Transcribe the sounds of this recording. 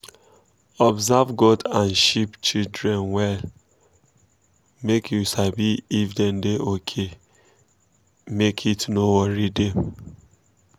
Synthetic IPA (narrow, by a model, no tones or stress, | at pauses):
ɔbzavɡɔdãnʃipt͡ʃildɹɛ̃nwɛ | mekʰjusabiːfdɛndeʔokʰe | mekʰitnowɔɹidɛ̃m